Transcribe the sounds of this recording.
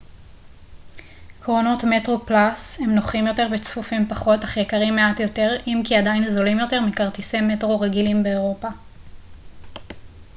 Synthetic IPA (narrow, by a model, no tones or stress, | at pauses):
kʁono̞tme̞tʁo̞plashe̞mnoχimjo̞teʁvet͡sfufimpaχo̞taχjekaʁimːe̞atjo̞te̞ʁimkiadajnzo̞limjo̞te̞ʁmikaʁtisemetʁo̞ʁeɡilimbeeʁo̞pa